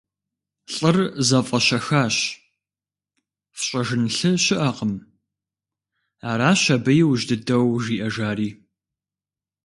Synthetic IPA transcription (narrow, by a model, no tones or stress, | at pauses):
ɬʼɐrzɐfʼɐɕɐxaːɕ | fɕʼɐʒɨnɬɨɕɪʔɐqəm | aːɾaːɕɐbɐjɪwʒdɨdɐwʒiːʔɐʒaːɾiː